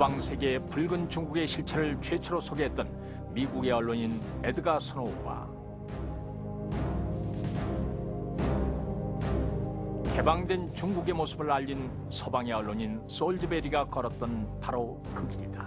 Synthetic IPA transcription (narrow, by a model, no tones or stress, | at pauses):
baŋsʰe̞ɡe̞puɭɡɯnt͡ɕuŋɡuɡe̞ɕʰiɭt͡ɕʰeɾɯɭt͡ɕwe̞t͡ɕʰʌɾosʰoɡeɦet̚t͈ʌn | miɡuɡe̞ʌɭːoɲin | e̞dɯɡasʰɯnoɡwa̰ | ke̞baŋdwe̞nt͡ɕuŋɡuɡe̞mosʰɯbɯɭaʎːin | sʰʌbaŋe̞ʌɭːoɲins͈oɭd͡ʑɯbe̞ɾiɡakʌɾʌt̚t͈ʌnpaɾo | kɯɡiɾida